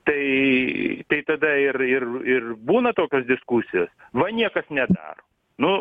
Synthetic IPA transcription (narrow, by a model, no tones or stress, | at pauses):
t̪ɐɪ | t̪ɐɪt̪ɐd̪ɐɪrɪrɪrbuːnɐt̪oːkʲoːsd̪ʲɪskusʲɪjoːsʋɐnʲiɛkɐsnʲɛd̪ɑ̰ːɾoː | nʊ